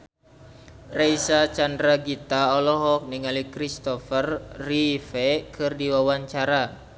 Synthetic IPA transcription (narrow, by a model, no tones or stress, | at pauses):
reisat͡ʃandɾaɡit̪aɔlɔɦɔk̚niŋalikɾist̪ɔfərːifɛkʰɨrdiwawaɲt͡ʃaɾa